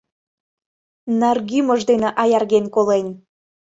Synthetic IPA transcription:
nɑrɣyməʒd̪eneʔɑjɑrɣenkolen

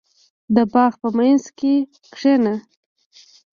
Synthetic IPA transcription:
d̪əbɑɣpəmajnzke | kʂena

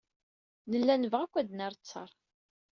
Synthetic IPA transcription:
nəlːænəvʁækʷːæd̪næɾˤt͡sːə̰ɾˤ

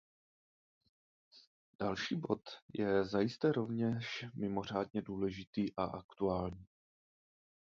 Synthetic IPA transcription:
d̥alʃiːbo̞t̪jɛzajɪst̪ɛɾo̞vɲɛʃmɪmo̞r̝aːdɲɛduːlɛʒɪt̪iːʔaʔakt̪uaːlɲiː

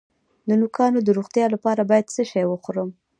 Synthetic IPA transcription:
d̪ənʊkɑnod̪əɾoɣt̪jɑlapɑɾabɑjad̪səʃɑjwəxoɾəm

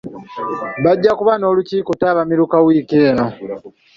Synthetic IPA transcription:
βaɟːakuβano̞ːluciːkotaːβamiɾukawiːkeːno̞

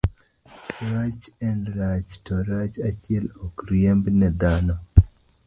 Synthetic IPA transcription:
ɾat͡ʃɛndɾat͡ʃtoɾat͡ʃat͡ʃiɛlokɾiembnɛd̪ano

